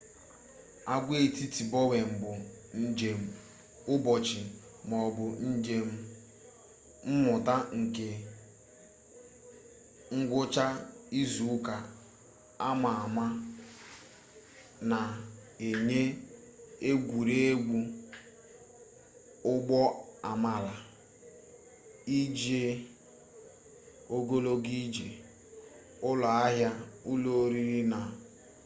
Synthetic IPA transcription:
a˦ɡʷe˦˨ti˦ti˨bɔ˦we˨m̩˨bʊ˨ | n̩˦d͡ʒe˨m̩˨ | ʊ˦bɔ˨t͡ʃɪ˨ | m˨ɔ˨bʊ˨n̩˦d͡ʒe˦m̩˦ | m̩˦mʊ˨ta˦ŋ̩˨ke˨ | ŋ̩˦ɡʷʊ˦t͡ʃa˦i˦zu˨ʊ˦ka˨ | a˦ma˨a˨ma˦ | na˨e˨ɲe˦ | e˦ɡʷu˨ɾe˦e˦ɡu˦ | ʊ˦ɡ͡bɔ˦a˨ma˨la˨ | i˦d͡ʒe˦ | o˦ɡo˦lo˦ɡi˦d͡ʒe˨ | ʊ˦lɔ˨a˦ɦja˦u˦lo˦ɾi˦ɾi˦na˨

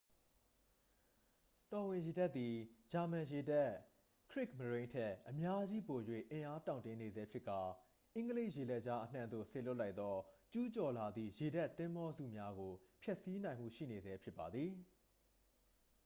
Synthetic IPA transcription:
tɔ˨wɪ̃˨je˨da˦ʔt̪ːi˨d͡ʑa˨mã˨je˨da˦˨ | kʰɹɪ˦kməɹẽ˦ɪ̃ntʰɛ˦˨ʔəmja˦d͡ʑi˦po˨jwḛ˦˨ʔɪ̃˨ʔa˦tã˨ʊ̃ntɪ̃˦ne˨zɛ˦pʰjɪ˦ʔkːa˨ | ʔɪ̃˦ŋɡəle˦ɪʔje˨lɛ˦ʔt͡ɕa˦ʔən̥ã̰˦˨nd̪o̰˦˨se˨lʊ˦ʔla˦ɪt̪t̪ɔ˦t͡ɕu˦t͡ɕɔ˨la˨d̪ðḭ˦˨je˨da˦ʔt̪ːɪ̃˦mbɔ˦zṵ˦˨mja˦ɡo˨pʰjɛ˦ʔsi˦nã˨m̥ṵ˦˨ʃḭ˦˨ne˨zɛ˦pʰjɪ˦pːa˨d̪ði˨

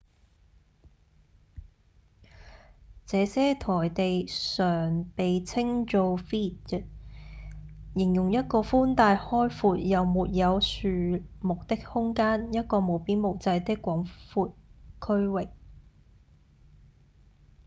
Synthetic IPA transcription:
t͡sɛː˨˧sɛː˥t̪ʰɔː˨˩jt̪e˨jsœː˨˩ŋpe˨jt͡sʰɪ˥ŋt͡ʃo˧wfiː˥t̚t̚ | jɪ˨˩ŋjʊ˨˩ŋjɐ˥t̚kɔː˧fuː˥nt̪aː˧jhɔː˥jfuː˨˧t̚jɐ˨wmuː˨t̚jɐ˨˧wsyː˨mʊ˨k̚t̪ɪ˥k̚hʊ˥ŋkaː˥njɐ˥t̚kɔː˧mo˨˧wpiː˥nmo˨˩wt͡sɐ˧jt̪ɪ˥kʷːɔː˨˥ŋfuː˧t̚kʰɵ˥ɥwɪ˨k̚

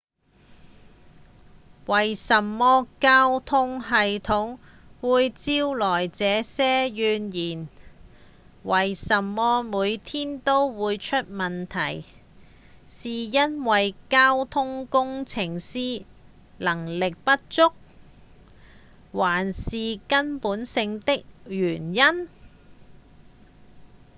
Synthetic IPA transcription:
wɐ˨jsɐ˨mːɔː˧˥kaː˥wt̪ʰʊ˥ŋɦɐ˨jt̪ʰʊ˨˥ŋ | wuː˨˧jt͡siː˧˥wlɔː˨˩jt͡sɛː˨˧sɛː˥jyː˨˧njiː˨˩n | wɐ˨jsɐ˨˩mːɔː˧˥muː˨˧jt̪ʰiː˥nt̪o˥wwuː˨˧jt͡ʃʰɵ˥t̚mɐ˨nt̪ʰɐ˨˩j | siː˨jɐ˥nwɐ˨jkaː˥wt̪ʰʊ˥ŋkʊ˥ŋt͡sʰɪ˨˩ŋsiː˥ | lɐ˨˩ŋlɪ˨k̚pɐ˥t̚t͡sʊ˥k̚ | waː˨˩nsiː˨kɐ˥npuː˨˥nsɪ˧ŋt̪ɪ˥k̚jyː˨˩njɐ˥n

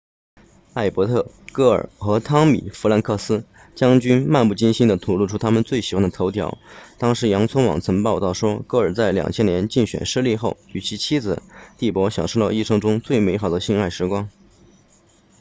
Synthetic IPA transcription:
a˥˩ɪpwɔ˧˥t̪ʰɤ˥˩ | kɤ˥˩ə̰˞˨˩xɤ˧˥t̪ʰɑ˥ŋmḭ˨˩fla˧˥nkʰɤ˥˩sɹ̩˥ | t͡ɕjɑ˥ŋt͡ɕy˥nma˥˧npu˥˩t͡ɕi˥nɕi˥nd̪ə˨t̪ʰu˨˩lu˥˩ʈ͡ʂʰu˥t̪ʰa˥mə˨nt͡swe˥˩ɪɕi˨˩xwa˥nd̪ə˩t̪ʰo˧˥ʊt̪ʰjɑ̰˧˥ʊt̪ɑ˥ŋʂɻ̩˧˥jɑ˧˥ŋt͡sʰə˥nwɑ̰˨˩ŋt͡sʰɤ˧˥ŋpɑ˥˧ʊt̪ɑ˥˩ʊʂwɔ˥kɤ˥˩ə˞˨˩t͡sa˥˩ɪljɑ̰˨˩ŋt͡ɕʰjɛ˥njɛ˧˥nt͡ɕi˥˩nɕɥɛ̰˨˩nʂɻ̩˥˧˥li˥˧xo˥˩ʊy˨˩t͡ɕʰi˧˥t͡ɕʰi˥d͡zɹ̩˨˩t̪i˥˩pwɔ˧˥ɕjɑ˨˩ŋʂo˥˧li˥˩ʂɤ˥ŋʈ͡ʂʊ˥ŋt͡swe˥˩ɪme˧˥ɪxɑ˨˩ʊd̪ə˦ɕi˥na˥˩ɪʂɻ̩˧˥kwɑ˥ŋ

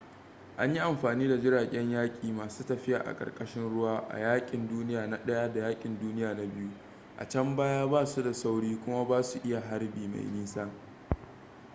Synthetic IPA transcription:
ʔa˦ɲji˦ʔa˨mɸaː˨niː˦da˨d͡ʒɪ˦ɽaː˨kʲʼɛ˦ɲjaː˦kʲʼiː˨maː˨suː˦tɐ˨ɸɪ˦ja̰ː˨ʔa̰˨kʼɐ̰˨rkʼɐ˦ʃɪ˦nɽʊ˦waː˦ʔa̰˨jaː˦kʲʼɪ˨nduː˦nɪ˦jaː˨na˦ɗɐ˦ja˦da˨jaː˦kʲʼɪ˨nduː˦nɪ˦jaː˨na˦bɪ˦ju˦ | ʔa̰˨t͡ʃɐ˦mbaː˦jaː˦baː˦su˦da˨sa˦wɽiː˦kʷʊ˦ma˦baː˦su˨ʔɪ˦ja˨ɦa˦rbiː˨ma̰˨jmiː˦saː˦

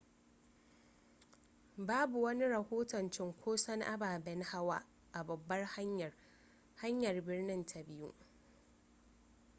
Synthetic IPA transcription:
baː˦bu˨wɐ˦ni˦ɾɐ˨hoː˦tɔ˨nt͡ʃɪ˦ŋkʷʰoː˦sɐ˦ŋʔa˦baː˨bɛ˦nha˦waː˦ | ʔa˨bɐ˨bːɐ˦rh | ha˦ɲjɐ˨rbɪ˦rnɪ˦ntʰa˨bɪ˦ju˦ʔ

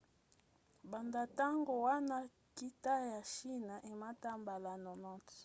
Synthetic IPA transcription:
ba˨nda˨ta˦ŋɡo˨wa˦na˦ | ki˦ta˦ja˨ʃi˦na˨ʔe˨ma˦ta˦mba˨la˨nɔ˨nɔ˦t

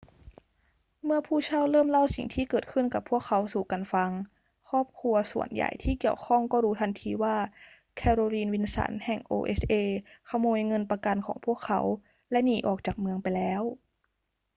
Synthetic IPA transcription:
mɯ˥˩ɐpʰuː˥˩t͡ɕʰa˥˩wlɤː˥˩mla˥˩wsḭ˨˩ŋt̪ʰiː˥˩kɤː˨˩t̪̚kʰɯ˥˩nka˨˩pʰːu˥˩əkʰːa˨˥wsuː˨˩ka˧nfa˧ŋ | kʰɔː˥˩p̚kʰu˧ɐsṵ˨˩ənja̰˨˩jt̪ʰiː˥˩ki˨˩əwkʰɔ˥˩ŋkɔː˥˩ɾuː˦˥t̪ʰa˧nt̪ʰiː˧waː˥˩ | kʰɛː˧ɾoː˧liː˧nwi˧nsa̰˩˦nhɛ˨˩ŋʔo̰ː˧ʔe˦˥sʔeː˧kʰa˧moː˧jŋɤ˧npa˧ka˧nkʰɔː˩˦ŋpʰu˥˩əkʰːa̰˧˥w | lɛ˦˥niː˨˩˦ʔɔ̰ː˨˩k̚t͡ɕaː˨˩k̚mɯ˧əŋpa˧jlɛː˦˥w

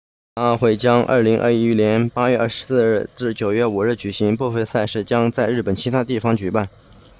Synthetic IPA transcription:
ɑ˥˧ʊxwe˥˩ɪt͡ɕjɑ˥ŋʔə̰˥˩li˧˥ŋʔə̰˞˥˧˥ljɛ˧˥npa˥ɥɛ˥˧ɐ˞˥˩ʂ̩˧˥sɹ̩˥˧ɻ̩˥˧ʈ͡ʂɹ̩˥˩t͡ɕjo˨˩ʊɥɛ˥˩u˨˩ɻ̩˥˩t͡ɕy˨˩ɕi˧˥ŋpwɔ˥˧fə˥˧ɪsa˥˧ɪʂɻ̩˥˩t͡ɕjɑ˥ŋt͡sa˥˧ɪɻɻ̩˥˩pə˨˩nt͡ɕʰi˧˥t̪ʰa˥t̪i˥˩fɑ˧˥ŋt͡ɕy˨˩pa˥˩n

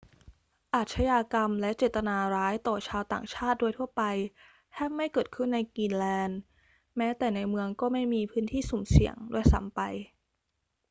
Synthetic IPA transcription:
ʔaː˨˩t̪̚t͡ɕʰa˧jaː˧ka˧mlɛ˦˥ʔt͡ɕeː˨˩t̪a˧naː˧ɾaː˦˥jt̪ɔː˨˩t͡ɕʰaː˧wt̪a̰ː˨˩ŋt͡ɕʰaː˥˩t̪̚du˥˩əjt̪ʰu˥˩ɐpa˧j | t̪ʰɛː˥˩p̚ma˥˩jkɤː˨˩t̪̚kʰɯ˥˩nːa˧jkiː˧nlɛː˧n | mɛː˦˥t̪ɛː˨˩na˧jmɯ˧əŋkɔː˥˩ma˥˩jmiː˧pʰɯː˦˥nt̪ʰiː˥˩su˨˩˦msḭ˨˩əŋdu˥˩əjsa̰˩˦mpa˧j

